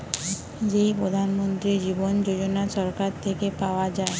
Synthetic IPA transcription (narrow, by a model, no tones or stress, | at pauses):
d͡ʑejpɾod̪ʱanmont̪ɾid͡ʑibond͡ʑod͡ʑonaʃɔɾkaɾt̪ʰekepaoad͡ʑae